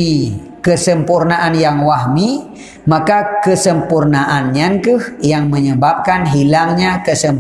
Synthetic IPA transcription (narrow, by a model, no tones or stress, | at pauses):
i | kəsəmpurnaʔanjaŋwaɦmi | makakəsəmpurnaʔanɲaŋkɨhjaŋməɲəbap̚kanɦilaŋɲakəsəm